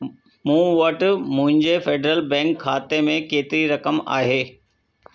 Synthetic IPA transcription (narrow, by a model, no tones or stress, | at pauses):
mũːʋɐʈmʊ̃ɦɪ̃ɲd͡ʑefeːɖɾəlbɛ̃ːŋkʰːaːt̪emẽkeːt̪ɪɾiɾɐkəma̰ːɦeː